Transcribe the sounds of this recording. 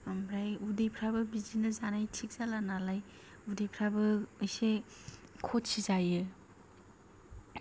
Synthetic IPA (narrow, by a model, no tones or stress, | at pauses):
ɔmbɾajudejpʰɾabɯbizinɯzanajtʰik̚z̥alanalaj | udejpʰɾabɯɯjse | kʰotsizajɯ